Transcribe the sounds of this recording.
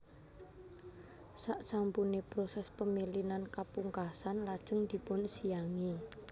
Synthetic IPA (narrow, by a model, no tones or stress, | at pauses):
saʔsampunepɾosɛspəmilinankapuŋkasanlad̥ʒ̥ə̤ŋd̪̥i̤pʊnsijaŋi